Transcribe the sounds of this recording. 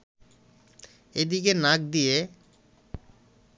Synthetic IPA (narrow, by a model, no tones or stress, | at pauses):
ed̪ik̬enak̚d̪ije